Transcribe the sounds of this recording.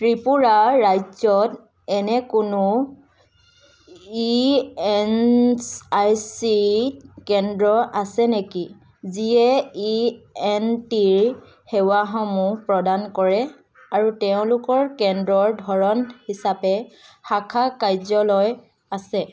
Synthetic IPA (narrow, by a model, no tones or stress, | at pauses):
tɹipuɹaːajzɔt | ɛnɛkʊnʊ | iɛnsajsikɛndɹɔʔasɛneki | ziɛiɛntiɹ | hɛwaxɔmupɹɔdankɔɹɛ | aɹutɛʊ̃lʊkɔɹkɛndɹɔɹdʱɔɹɔnhisapɛxakʰakajzɔlɔj | asɛ